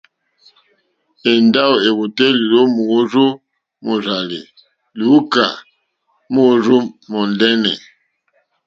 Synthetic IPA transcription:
e˨nda˦o˨e˨βu˨te˦li˨lo˦mu˨˦zo˦ | mo˨za˨lḛ˨ | lu˨˦u˦ka̰˨ | mo˦˨zu˦mɔ˨ndɛ˦nɛ̰˨

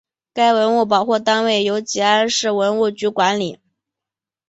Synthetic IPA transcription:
ka˥ɪwə˧˥nu˥˩p̬ɑ˨˩ʊxu˥˩t̪a˥nwe˥˩ɪjo˧˥ʊt͡ɕi˧˥a˥nʂɻ̩˥˩wə˧˥nu˥˩t͡ɕy˧˥kwa˧˥nli˨˩˦

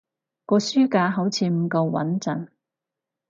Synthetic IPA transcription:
kɔː˧syː˥kaː˧ɦɐ˨˥wt͡sʰiː˨˧m̩˨˩kɐ˧wwɐ̰˨˥nt͡sɐ̰˨˩n

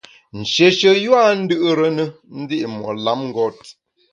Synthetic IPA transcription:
n̩˨ʃe˨ʃə˨jwa˦˨n̩˦dɨ˦ʔɾə˦nə˦ | n̩˦di˦ʔmwɔ̰˨la˨˦mŋ̩˦ɡɔ˦t̚

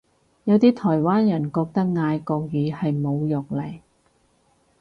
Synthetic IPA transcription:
jɐ˨˧wt̪iː˥t̪ʰɔː˨˩jwaː˥njɐ˨˩nkɔː˧k̚t̪ɐ˥k̚ŋaː˧jkɔː˧k̚jiː˨˧hɐ˨jmo˨˧wjʊ˨k̚lɐ˨˩j

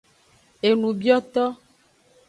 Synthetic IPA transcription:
e˨nũ˨bi˦ɔ˦t̪ɔ˦

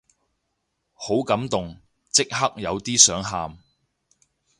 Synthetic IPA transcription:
ho˨˥wkɐ˨˥mt̪ʊ˨ŋ | t͡sɪ˥k̚ɦɐ˥k̚jɐ˨˧wt̪iː˥sœː˨˥ŋɦaː˨m

